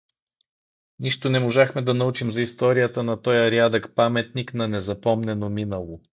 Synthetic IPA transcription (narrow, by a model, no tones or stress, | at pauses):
niʃt̪onɛmoʒaxmɛd̪ɐnɐut͡ʃimzɐist̪ɔɾijət̪ənɐt̪ɔjəɾjad̪ɐkpamɛt̪niknɐnɛzɐpɔmnɛnominəlˠo